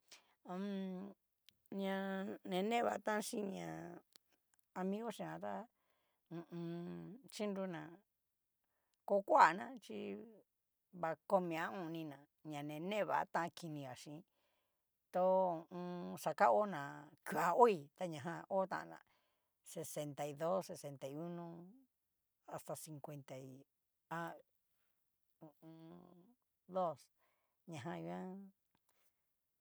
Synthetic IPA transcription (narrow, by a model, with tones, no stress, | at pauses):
ɲã˧nẽ˨˧nẽ˦βa˨˦t̪ã˦ʃĩ˦ɲã˨ | a˧mĩ˦ɣo˦ʃĩ˧ã˧t̪a˦ | ũ˧ũ˧t͡ʃi˦ndu˧nã˨ | ko˧˦kʷa˦a˨nã˦t͡ʃi˦ | βa˧ko˧mĩ˧˨ã˦ũ˧˨˧nĩ˧nã˨ | ɲã˨nẽ˨nẽ˦˨βa̰˨˦t̪ã˦˧ki˧nĩ˧ɣa˨ʂĩ˧˨˦ | t̪o˧ũ˧sa˧ka˦o˦nã˨ku˧˨a˧o˦i˧t̪a˧ɲã˨ɦã˧ʔo˦t̪ã̰˧ʔnã̰˨ | se˨se˧nt̪a˨i˧ðo˦sse˧se˧nt̪a˨i˧u˦nõ˧ | a˧st̪a˧si˧ŋkʷe˧nt̪a˨i˧ | a˦ | ũ˨ũ˧ | d̪o˦s | ɲã˨ɦã˧i˧˦ã˦